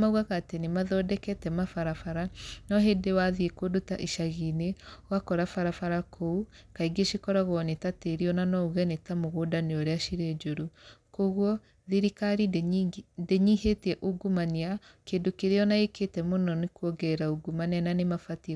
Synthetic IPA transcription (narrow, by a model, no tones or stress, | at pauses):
mauɣaɣaːtenemaðɔdɛkɛtɛmafaɾafaɾanɔɦedewaðiekodota̰ʔiʃaɣinewakɔɾafaɾafaɾakʰou | kaiɡeʃikɔɾaɣɔnetateɾiɔnanɔuɣɛnetamoɣoːdaneɔɾeaʃiɾed͡ʒoɾukoɣwɔ | ðiɾikaɾi | deɲihetiɛʔoɡumaniakeːndokeɾeɔnaeketɛmonɔnekuɔɡɛɾaoɡumanananemafati